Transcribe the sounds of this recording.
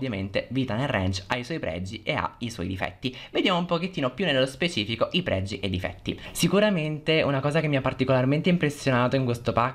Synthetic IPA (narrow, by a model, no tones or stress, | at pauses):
vjamḛnt̪eviːt̪anelrɛ̰nt͡ʃajswɔjpɾɛ̰d͡ʒiʔea̰iswɔ̰jd̪ifɛ̰t̪ːived̪jaːmoumpok̟et̪ːiːnopjunːelːospet͡ʃiːfikoʔipɾɛ̰d͡ʒːiʔed̪ifɛ̰t̪ːḭsikuɾament̪eunakɔːzakemːiapːart̪ikolarment̪eimpɾesːjonaːt̪oiŋkwest̪opa